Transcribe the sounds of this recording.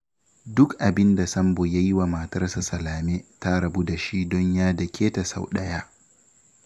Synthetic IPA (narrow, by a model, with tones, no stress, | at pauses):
dʊ˦kʔa˨bɪ˦nda˨sɐ˦mboː˨ja˦ji˦wa˨ma˨tɐ˦rsa˨sɐ˨laː˨meː˦ta˦ɾɐ˨buː˦da˨ʃi˦dɔ˦ɲjaː˦dɐ˨kʲʰeː˦ta˨sa˦wɗɐ˦jaː˦